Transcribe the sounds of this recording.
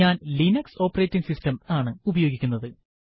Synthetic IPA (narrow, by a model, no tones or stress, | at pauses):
aːnlinɐkso̞ːpːɐretːiŋɡsistɐmaːɳɨubɐjo̞ːɡikʲːunːɐðɨ